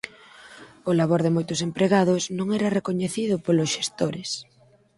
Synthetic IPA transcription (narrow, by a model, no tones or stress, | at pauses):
ʊlaβ̞oɾðɪmojt̪ʊsempɾeɣaðʊsnõŋɛɾɐrekoɲeθiðʊpolʊsʃest̪oɾɪs